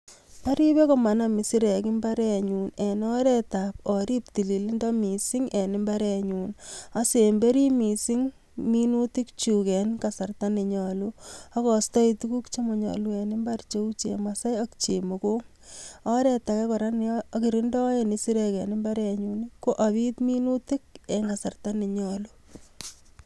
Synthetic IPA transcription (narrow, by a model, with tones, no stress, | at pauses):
pa˦ɾi˦be˦kɔ˨ma˨nami˨si˦ɾɛ˨ki˦mba˦ɾɛ˦ɲu˨nɛ˨nɔ˦ɾɛta˨pɔ˨ɾi˦p̚ti˨li˨li˦ndɔ˦mi˨si˦ŋe˨nɪ˦mba˦ɾɛ˨ɲu˨nase˨mbe˦ɾi˦mi˨si˦ŋ | mi˦nu˦ti˦kt͡ʃu˨kɛ˨nkasa˨rta˦ne˨ɲɔ˨lu˦a˦kɔ˨stɔ˦itu˦ku˦kt͡ʃe˦mɔ˨ɲɔ̰˨lu˦ɛ˨nɪ˦mbart͡ʃe˦u˦t͡ʃḛ˨masa˦jɔkt͡ʃḛ˨mo˨ko˦ŋ | ɔ˦ɾɛ˨takɛ˦kɔ˨ɾa˦nːki˨ɾi˦ndɔ˦jeni˦si˦ɾɛkɛ˨nɪ˦mba˦ɾɛ˨ɲu˨niko˦ʔa˨βi˦t̪mi˦nu˦ti˦k̚e˨ŋɡa˨sa˨rta˦ne˨ɲɔ˨lu